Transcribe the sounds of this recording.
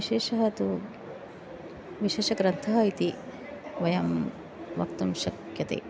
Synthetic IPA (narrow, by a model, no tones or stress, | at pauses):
iʃeːʃɐɦɐt̪u | ʋiʃeːʃɐɡɾɐnt̪ʰɐɦɐit̪i | ʋɐjɐm | ʋɐ̰kt̪umʃɐkjɐt̪ḛː